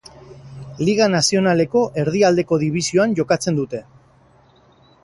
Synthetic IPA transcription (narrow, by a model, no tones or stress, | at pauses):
liɣ̞anasio̞nale̞ko̞ʔe̞ɾðiald̪e̞ko̞ðiβ̞isio̞anʝo̞kat͡se̞nd̪ut̪e̞